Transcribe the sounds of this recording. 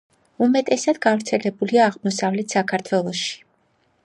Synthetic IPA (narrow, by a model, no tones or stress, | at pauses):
umɛt̪ʼɛsad̪̥ɡavɾt̪sʰɛlɛbuliaːʁmɔsavlɛt̪ʰsakʰaɾt̪ʰwɛlˠɔʃi̥